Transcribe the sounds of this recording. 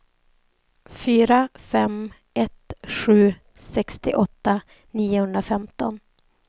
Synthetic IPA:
fyːɾafɛm | ɛt̪ɧʉ̟ː | sɛkst̪ɪ̰ʔɔt̪ːa | niːʊhɵnd̪ɾafɛmt̪ɔn

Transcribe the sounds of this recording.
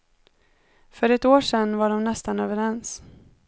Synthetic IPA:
fœɾɛt̪oːʂɛnːvaɖɔmnɛst̪anøːvəɾɛns

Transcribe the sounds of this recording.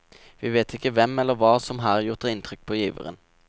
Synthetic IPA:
ʋiːʋeːt̪ʰɪkːəʋɛmːɛlːəʁʋɑːsɔmɦæːʁæjʊʁt̪əɪnt̪ʰʁʏk̚pʰoːjiːʋə̰ʁə̰n

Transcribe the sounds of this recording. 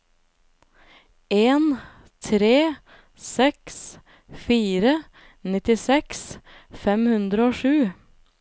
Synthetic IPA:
eːn | t̪ʰɾeː | sɛks | fiːɾə | nɪt̪ɪsɛksfɛmhʉnd̪ɾəoːʃʉː

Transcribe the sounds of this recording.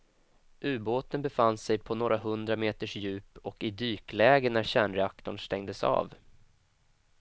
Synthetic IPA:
ʔʉ̟ːboːt̪ənbɛfansɛjpʰɔnoːɾaɦɵnd̪ɾameːt̪əʂjʉ̟ːpɔkɪd̪yːklɛːɡənæɾɕæːɳɾɛakt̪ʊɳst̪ɛŋd̪əsɑ̰ːv

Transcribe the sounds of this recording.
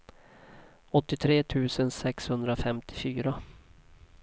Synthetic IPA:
ɔt̪ːɪt̪ʰɾeːt̪ʰʉ̟ːsənsɛkshɵnd̪ɾafɛmt̪ʰɪ̥fyːɾa

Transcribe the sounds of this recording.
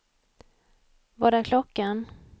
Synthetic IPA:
vaɖæɾkʰlɔkːan

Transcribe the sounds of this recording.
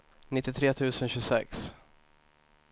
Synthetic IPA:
nɪt̪ːɪt̪ʰɾeːt̪ʰʉ̟ːsənɕɵsɛ̰ks

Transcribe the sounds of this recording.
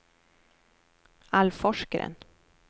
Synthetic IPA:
alfɔʂkəɾə̰n

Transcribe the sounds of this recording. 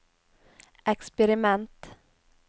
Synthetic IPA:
ʔɛkspɛɾɪmɛnt̪

